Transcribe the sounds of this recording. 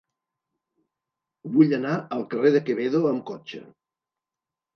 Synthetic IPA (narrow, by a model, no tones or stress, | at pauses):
βuʎənaəlˠkəreðəkəβeðoəmkɔt͡ʃə̰